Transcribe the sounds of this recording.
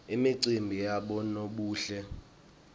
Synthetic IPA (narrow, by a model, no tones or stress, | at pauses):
imiǀimbʱijaɓɔnoɓuːɬɛ